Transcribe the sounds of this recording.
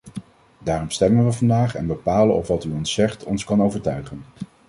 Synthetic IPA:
daːrɔmstɛmənʋəvɑndaːχɛ̰nbəpaːləɔfʋɑtyɔnsɛχtɔ̰nskɑnowvəɹtœɥχən

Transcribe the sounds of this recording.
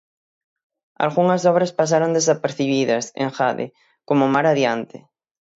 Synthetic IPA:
a̰lɣuŋɐsɔβ̞ɾaspas̬aɾond̪esapeɾθiβiðɐsḛ̃ŋxaðḛ | komomaɾaðjant̪ɪ̰

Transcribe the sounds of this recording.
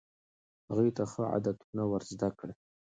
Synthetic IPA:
haɣujt̪axəʕa̰d̪at̪unawaɾzd̪akɽe

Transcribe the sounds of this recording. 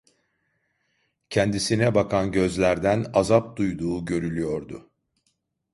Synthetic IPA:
cʰɛnd̪isinɛbakʰanɟø̞zlʲæɾd̪ænazap̚d̪ujd̪uːɟø̞ɾylʲyjo̞ɾd̪ʊ

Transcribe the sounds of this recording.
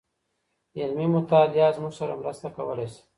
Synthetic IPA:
ilmimʊt̪aːljazmuɡsaɾa̰mɾəst̪akawəlese̥

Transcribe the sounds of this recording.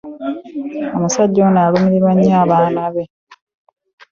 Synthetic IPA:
omusaɟːonaːlumiɾiɾwaɲːaːβaːnaβe̞

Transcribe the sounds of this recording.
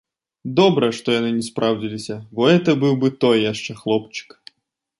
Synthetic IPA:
d̪ɔbɾɐʂt̪ɔjanɨnʲɛspɾʔawd͡zʲilʲisʲɐbɔɛt̪ɐbɨwbɨt̪ɔjːjaʂt͡ʂɛxlˠɔpt͡ʃɨ̥k

